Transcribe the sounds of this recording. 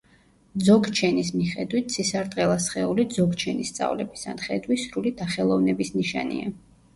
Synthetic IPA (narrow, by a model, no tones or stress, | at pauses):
d̪zɔɡt͡ʃʰɛnismiχɛd̪wit̪̚ʰsʰisaɾt̪ʼqʼɛlˠasχɛulid̪zɔɡt͡ʃʰɛnist̪sʼa̰vlɛbisa̰nχɛd̪wisɾulid̪aχɛlˠɔvnɛbisniʃa̰nḭa